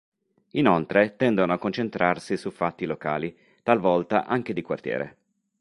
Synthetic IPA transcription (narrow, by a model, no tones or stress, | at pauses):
inolt̪ɾet̪ɛnd̪onoakːont͡ʃent̪ɾarsisufːat̪ːiloka̰ːli | t̪alvɔlt̪a̰ʔaŋk̟ed̪ikwa̰rt̪jɛ̰ːɾḛ